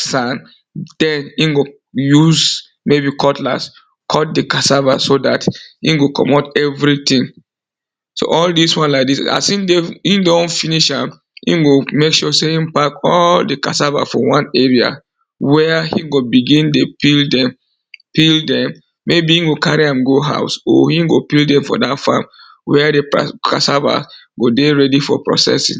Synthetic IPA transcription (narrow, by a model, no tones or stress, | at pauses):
sãn | d̥ɛ̃nĩnɡo | juz | mebikʰɔtla̰s | kʰɔt̚dekasavasoda̰thḭ̃nɡokʰɔ̰motɛvɹitĩŋ | so̰ʔɔldiswãnlaɪk̚disa̰sĩndeĩndofiniʃãm | ḭ̃nɡomekʃuseĩmpakɔldəkasava̰fɔ̰wãnɛɹia̰ | wɛhĩŋɡobiɡĩndopildɛ̃m | pildɛ̃mː | ebihĩnɡokaɹiãmɡoɦa̰ʊso̰hĩŋɡopildɛ̃mfɔ̰datfa̰m | wɛdḛkʰa̰sava̰s | ɡodeɹɛdifɔ̰pɹɔ̰sɛ̰sḭ̃ŋ